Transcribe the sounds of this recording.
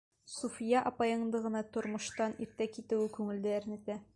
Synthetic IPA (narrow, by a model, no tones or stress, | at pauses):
sufʲjɑʔɒpɑjɤ̆ɴd̪ɤʁɤ̆nɑt̪ŏɾmŏʃt̪ɑniɾt̪ækit̪ɘ̆wɘkʉŋɘ̆ld̪ææɾnit̪æ